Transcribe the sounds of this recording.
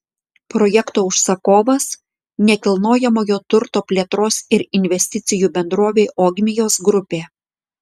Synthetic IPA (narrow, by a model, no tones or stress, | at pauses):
pɾɔjɛkt̪oːʊʃsɐkoːʋɐs | nʲɛkʲɪlˠnoːjɛmoːjoːt̪ʊɾt̪oːpʲlʲeːt̪ɾoːsɪɾɪnʲʋʲɛsʲt̪ʲɪt̪sʲɪjuːbʲɛnd̪ɾoːʋʲeːʔoːɡʲmʲɪjoːsɡɾʊpʲeː